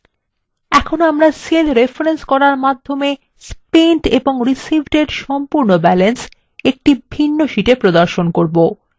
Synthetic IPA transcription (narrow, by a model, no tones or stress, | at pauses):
ɛkʰonoamɾaselɾefɾenskɔɾaɾmad̪ʱːome | spenʈeboŋɾisibʱʈeɖʃɔmpuɾnobɛlens | ek̚ʈibʱinːoʃiʈepɾod̪aɾʃonkoɾbo